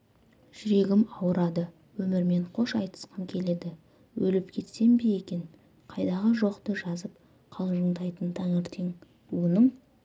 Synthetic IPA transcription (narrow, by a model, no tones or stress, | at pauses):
ʒ̥ɪɾe̞ɡʲɪmɑwəɾɑd̪ə | wɵmɪɾme̞ɴqʰo̞ʃɑjt̪ə̥sqɑŋkʲʰe̞le̞d̪ɪ | wɵlɪpkʲʰe̞t̪se̞mbeje̞kʲe̞ŋ | qʰɑjd̪ɑʁəʒo̞qt̪əʒɑzəp | qʰɑlˠʒəɴd̪ɑjt̪ənt̪ʰɑŋeɾt̪ʰe̞ŋ | wonəɴ